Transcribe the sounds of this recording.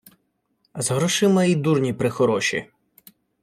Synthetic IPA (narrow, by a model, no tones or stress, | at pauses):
zɦɾɔʃɪmɐid̪urnʲipɾɪxɔɾɔʃḭ